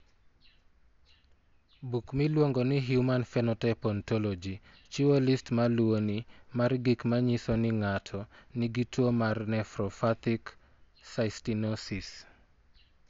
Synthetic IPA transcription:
bukmilwoŋɡɔnɪɦjumanfɛnɔtɛpɔntɔlɔd͡ʒit͡ʃiwolistmalwonimarɡikmaɲisɔnɪŋatʰɔniɡitwomarnɛfɾɔfat̪ik | saɪstinɔsis

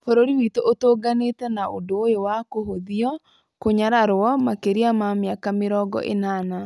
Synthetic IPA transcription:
foɾoɾiwitoʔotoːɡanetɛnaodojowakoɦoðiɔ | koɲaɾaɾɔmakeɾiamamjakameɾɔɡɔ̰ʔḛnaːna

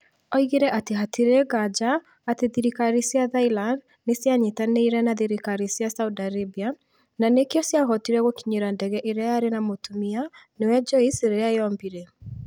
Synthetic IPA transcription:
ɔiɣeɾɛʔateɦatʰiɾeɡad͡ʒaː | teðiɾikaɾisiaðailand | nesjaɲetaneiɾɛnaðiɾikaɾisjasaudaɾebia | nanekjɔsjaɣɔtiɾɛɣokiɲeɾandɛɣɛʔeɾeajaɾenamotumianewɛd͡ʒɔiseɾeeaeɔmbiɾɛ

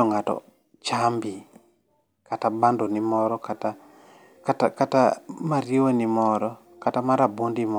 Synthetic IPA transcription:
ɔŋatɔ̰ | t͡ʃambi | katabandonimɔɾɔkata | kaakata̰maɾiwonimɔɾɔ | katamaɾabondimɔ

